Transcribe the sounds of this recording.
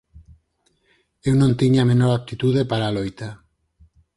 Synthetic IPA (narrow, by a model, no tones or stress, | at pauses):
ewnõnt̪iɲamẽnoɾap̚t̪it̪uð̞epaɾalojt̪a